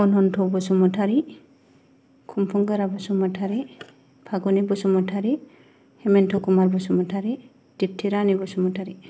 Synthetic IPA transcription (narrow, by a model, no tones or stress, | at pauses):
ɔnɦɔntʰɔbɔsumɔtʰaɾi | kʰumpʰuŋɡaɾabɔsumɔtʰaɾi | pʰaɡɔnibɔsumɔtʰaɾi | hɛmɛntʰɔkumaɾbɔsumɔtʰaɾi | dip̚tʰiɾanibɔsumɔtʰaɾi